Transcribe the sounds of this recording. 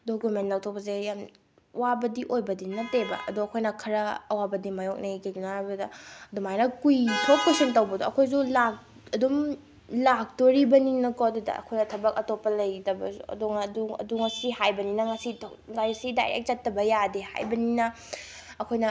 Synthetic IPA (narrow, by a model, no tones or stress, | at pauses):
dokumentnːawtʰok̚pɐz̬ejam | wabɐdiʔojbɐdinɐtebɐ̰ʔɐ̰doɐkʰojnɐkʰɐɾɐːwabɐdimajok̚nekeɡunabudɐdumajnɐkujtʰok̚kesɐntɐwbɐdoɐkʰojsulak̚ | ɐdum | lak̚toɾibɐninɐkɔdudɐ̰ɐ̰kʰojnɐtʰɐbɐk̚ɐtopːɐlɐjdɐbɐ̰sṵɐ̰doŋduɐ̰duŋɐsihajbɐninɐŋɐsitʰ | ajsida̰jḛk̚t͡ʃɐtːɐbɐjadeha̰jbɐninɐ | ɐkʰojnɐ